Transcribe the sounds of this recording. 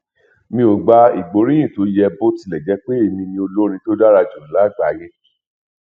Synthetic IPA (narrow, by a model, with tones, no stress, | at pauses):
mĩ˧˦o˨ɡ͡ba˧ḭ˨ɡ͡bo˨˦ɾĩ˦ĩ˦˨to˨˦jɛ˧bo˦ti˧lɛ˨d͡ʒɛ˨˦k͡pe˦e˨mĩ˧nĩ˧˦o˧lo˦ɾ̃ĩ˧to˦da˦ɾa˧d͡ʒu˨la˦˨ɡ͡ba˨˦jẽ˦